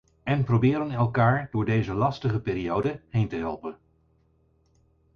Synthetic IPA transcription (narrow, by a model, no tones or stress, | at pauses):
ɛnprowbɪːɾənɛlˠkaːɹdʊːɹdejzəlɑstəχəpɪːɾiowdəɦejntəɦɛ̰lˠpən